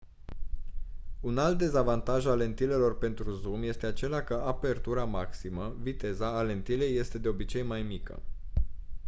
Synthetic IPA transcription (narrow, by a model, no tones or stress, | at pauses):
unalt̪̚d̪e̞zavant̪aʒale̞nt̪ile̞lo̞rpe̞nt̪ɾuzumje̞st̪e̞at͡ʃe̞lakəʔape̞rt̪uɾamaksiməvit̪e̞zaːle̞nt̪ile̞jːe̞st̪e̞d̪e̞o̞bit͡ʃe̞jmajmikə̰